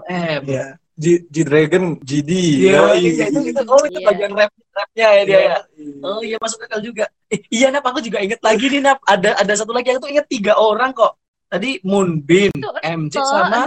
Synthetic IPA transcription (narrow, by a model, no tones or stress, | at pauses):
ɛmja | d͡ʒid͡ʒid̪ɾeɡənd͡ʒidijajait̪ukit̪at̪oɾɪk̪əpaɡaŋrɛp̚ | rɛp̚ɲajadiajaəijamas̬ʊk̚əkald͡ʒuɡa | ijanapakud͡ʒuɡaiŋət̪̚laɡininap̚adaʔːdas̬at̪̬ulaɡiakut̪̬uiŋət̪ːiɡaʔoɾaŋkɔʔ | t̪adimʊnbɪnɛmd͡ʒɪsama